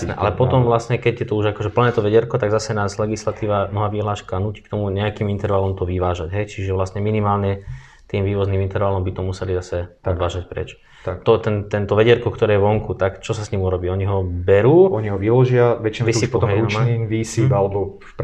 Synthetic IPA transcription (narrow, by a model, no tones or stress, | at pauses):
nɛ̰ʔa̰lɛpɔt̪ɔmʋlasɲɛkɛɟjɛt̪ɔuʒakɔʒɛpl̩ɲɛːt̪ɔʋɛɟɛɾkɔt̪aɡzasɛnaːzlɛɡislat̪iːʋanɔɦaːʋiɦlaːʃkanuːci̥ːkt̪ɔmuɲɛakimint̪ɛɾʋalɔmt̪ɔʋiʋaːʒaɟɦɛjt͡ʃiʒɛʋlasɲɛminimaːlɲɛ | t̪iːmʋiːʋɔzniːmint̪ɛɾʋalɔmbit̪ɔmusɛlizasɛʔɔd̪ʋaːʒac̚pɾɛ̰t͡ʃ | t̪ɔt̪ɛnt̪ɛnt̪ɔʋɛɟɛɾkɔkt̪ɔɾɛːjɛʋɔŋkut̪akt͡ʃɔsasɲimuɾɔbiːɔɲiɦɔbɛɾuːɔɲiɦɔʋilɔʒɪaʋɛt͡ʃinʋiipɔt̪ɔumaiʋisibalɛbɔ